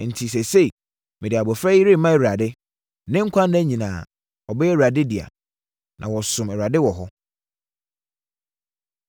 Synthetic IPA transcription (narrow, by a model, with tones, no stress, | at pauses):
n̩˨tʰi˨s̬ɛ˨se˦i˨ | mɪ̃˨dɪ˨a˨bɔ˨fɾɛ˦i˦ɾɪ˦˨mã˦ɛ˨ɥɾa˨dɪ˦ | nɪ̃˦ŋ̩˦kʷʰã˦n˦æ˦ɲĩ˨nãː˨ | ɔ˨bɛ˦ɛ˦˨a˨dɪ˦di˨a̰˨ | nʔã̰˨wɔ˨sʊ̃˨mɛ˨a˨dɪ˦wɔ˨ɦɔ˦